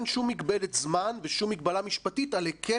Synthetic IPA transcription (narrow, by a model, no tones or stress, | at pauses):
nʃumːikbeletzmanveʃumːikbalamiʃpatitalekʰe